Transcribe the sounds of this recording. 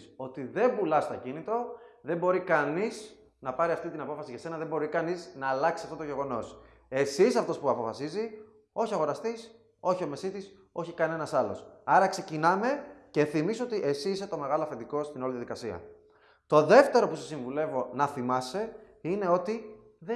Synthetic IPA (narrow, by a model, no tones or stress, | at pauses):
o̞t̪iðe̞mbulɐst̪oɟinit̪ɾo̞ðe̞mbo̞ɾikɐniz | nɐpɐɾiɐft̪it̪inɐpo̞fɐsiʝɐse̞nɐðembo̞ɾikɐniznɐːlɐksi̥sɐft̪ot̪oʝe̞ɣo̞no̞s | e̞sisɐft̪o̞spuɐpo̞fɐsizi | o̞çiɐɣo̞ɾɐst̪is | o̞çio̞me̞sit̪is | o̞çikɐne̞nɐsɐlo̞̰sɐɾɐkse̞cinɐme̞ce̞θimisoot̪iʔe̞siːse̞t̪o̞me̞ɣɐloɐfend̪iko̞st̪ino̞liðiɐðikɐsiɐ̰ | t̪o̞ðe̞ft̪e̞ɾo̞pusesiɱvule̞vo̞nɐθimɐse̞ | ine̞o̞t̪i | ð